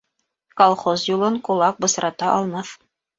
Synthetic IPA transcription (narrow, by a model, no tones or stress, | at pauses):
kolˠχozjulˠɤɴkulˠɑk̚bɤ̆sɾɑt̪ɑʔɑlˠmɑθ